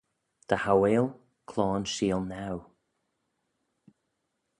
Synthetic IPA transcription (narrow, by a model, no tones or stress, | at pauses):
d̪̥əhaweːlˠ | kʰlɔːnʃiːlˠnaw